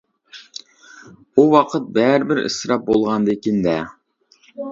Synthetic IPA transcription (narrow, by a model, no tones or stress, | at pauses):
uwɑqʰət̪̚bæɾɪbɪɾɪ̰sɾɑp̚bolˠʁɑnd̪ekʲind̪ɛ